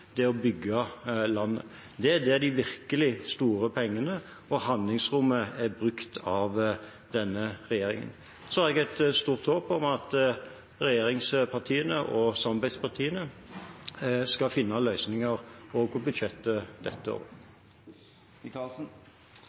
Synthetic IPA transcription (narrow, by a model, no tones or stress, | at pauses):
d̪ɛɔbʏɡːɑlɑnːə | d̪ɛæd̪ɛd̪ɪʋɪɾkəlɪst̪uːɾəpʰɛŋːənə | ɔhɑnd̪lɪŋsɾʊmːəæɾbɾʉkt̪ʰɑʋ | d̪ɛnːəʁɛjeːɾɪ̰ŋə̰n | sɔhæɾɛɡɛt̪st̪uːʁt̪hoːpɔmɑt̪ | ɾɛjeːɾɪŋspʰɑʁt̪ʰiːənəʔɔsɑmɑbæɪd̪spʰɑʁt̪ʰiːənə | skɑfɪnːɑlœʏsnɪŋəɾoːɡɔbʉd̪ʃɛt̪ːəd̪̥ɛt̪ːəo̰ːʋ